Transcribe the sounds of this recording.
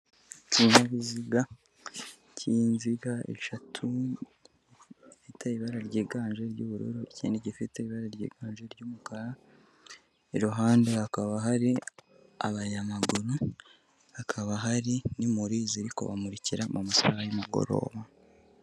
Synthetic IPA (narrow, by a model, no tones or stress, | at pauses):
cinaβiziɡa | ciːnziɡaḛʃatʰu | ifitʰeiβaɾaɾɟiːɡaːnʒe̞ɾɟuːβuɾṵɾuicḭːndiɟifite̞iβaɾaɾɟḭːɡaːnʒe̞ɾɟuːmukaɾa | iɾuɦaːndeakaβaɦaɾi | a̰βaɲamaɡuɾu | akʰaβaɦaɾinimuɾiziɾiko̞̰βa̰muɾiciɾamʔumusa̰hajimuɡo̞̰ɾo̞̰ːβa